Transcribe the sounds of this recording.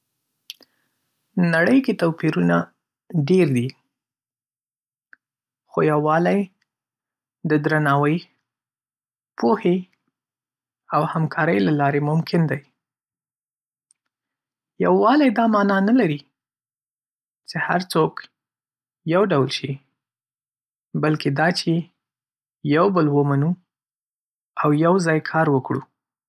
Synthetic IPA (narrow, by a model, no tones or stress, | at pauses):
naɽəjket̪apiɾuna | ɖeɾd̪i | xojawːɑlaj | d̪əd̪ɾanɑwəj | pohe | awhamkʰɑɾəjlalɑɾemʊmkʰɪnd̪aj | jawːɑlajd̪ɑmɑnɑnalaɾi | t͡ʃeha̰ɾt͡sok | jawɖawlʃi | balked̪ɑt͡ʃe | jawbəlwəmanu | awjawzɑjkʰɑɾwəkɽu